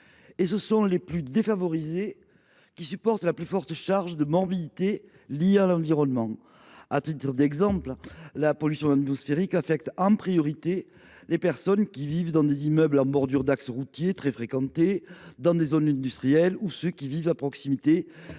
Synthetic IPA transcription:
esəsɔ̃leplyd̪efavɔʁize | kʲisypɔʁt̪laplyfɔʁt̪əʃaʁʒəd̪əmɔʁbid̪it̪e | lijealɑ̃viʁɔnmɑ̃ | at̪it̪əd̪ɛɡzɑ̃pllapɔlysjɔ̃at̪mɔsfeʁikafɛk̚t̪ɑ̃pχijɔʁit̪e | lepɛʁsɔnkʲivivd̪ɑ̃d̪ezimœblɑ̃bɔʁd̪yʁd̪aksəʁut̪jet̪χefχekɑ̃t̪ed̪ɑ̃d̪ezɔnɛ̃nd̪yst̪χijɛlusøkʲivivapχɔksimit̪e

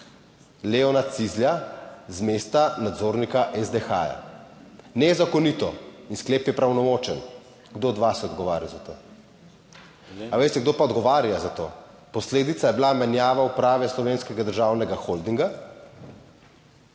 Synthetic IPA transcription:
leɔnat̪sizljazmest̪anad̪zoːɾnikaʔɛzd̪exa̰ja̰ | nɛzakɔnit̪ɔinskleːpjɛpɾawnɔmoːt͡ʃɛn | ɡd̪oːd̪ʋasɛɔd̪ɡɔʋaːɾjazat̪oː | aʋeːst̪ɛɡd̪oːpaɔd̪ɡɔʋaːɾjazat̪o̰ː | pɔsleːd̪it̪sajɛbilamɛnjaːʋaupɾaːʋɛslɔʋeːnskɛɡad̪əɾʒaːwnɛɡaxold̪iŋɡa

